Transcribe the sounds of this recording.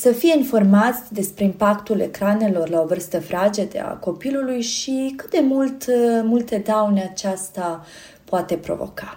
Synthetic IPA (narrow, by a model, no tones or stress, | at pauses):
səfije̞info̞rmat̪sʲd̪e̞spɾe̞impakt̪ule̞̰kɾane̞lo̞rlao̞vɨrst̪əfɾad͡ʒe̞d̪ea̰ko̞pilulujʃikɨt̪̚d̪e̞mult̪mult̪e̞d̪awneat͡ʃast̪a | poat̪e̞pɾo̞̰vo̞̰kḁ